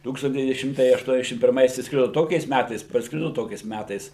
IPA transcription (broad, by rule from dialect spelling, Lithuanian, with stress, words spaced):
ˈtuːkstɐnt dʲɛˈʋʲiːnʲɪ ˈʃʲɪmtɐɪ ɐʃˈtuɔnʲɛzʲdʲɛʃʲɪm pʲɪrˈmɐɪs ɪʃsˈkrʲɪdoː ˈtoːkʲɛɪs ˈmʲætɐɪs pɐrsˈkrʲɪdoː ˈtoːkʲɛɪs ˈmʲætɐɪs